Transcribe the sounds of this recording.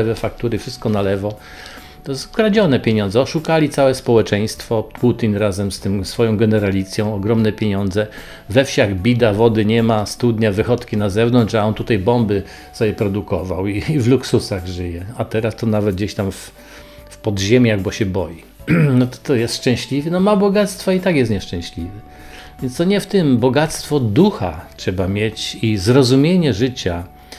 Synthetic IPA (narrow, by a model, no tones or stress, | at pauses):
ɛvɛfakt̪uɾɘfʂɘst̪̚kɔnalɛvɔ | t̪ɔzkɾad͡ʑɔnɛpʲjeɲɔndzɛɔʂukalʲit̪sawɛspɔwɛt͡ʂɛ̃j̃st̪fɔpʰut̪ʲinɾazɛmst̪ɘmsfɔjɔ̃w̃ɡɛnɛɾalʲit̪sʲjɔ̃w̃ɔɡɾɔmnɛpʲjeɲɔnd̪zɛ | vɛfɕaɣbʲid̪avɔd̪ɘɲɛmast̪ud̪ɲavɘxɔt̪kʲinazɛvnɔnt͡ʂaɔnt̪ut̪ajbɔmbɘ | sɔjʲɛpɾɔd̪ukɔvawiivluksusaɣʐɘjɛat̪ɛɾast̪ɔnavɛd̪̚d͡ʑeɕt̪amf | fpɔd̪ʑɛmʲjaɣbɔɕɛbɔji | nɔt̪ɔ̥t̪ɔjɛst̪ʂt͡ʂɛ̃w̃ɕlʲivʲɛnɔmabɔɡat̪st̪fait̪akjɛst̪ɲɛʂt͡ʂɛ̃ɕlʲivɛ | vʲjɛntst̪ɔɲɛft̪ɘmbɔɡat̪st̪fɔd̪uxatʂɛbamʲjet͡ɕizɾɔzumʲjeɲɛʐɘt͡ɕa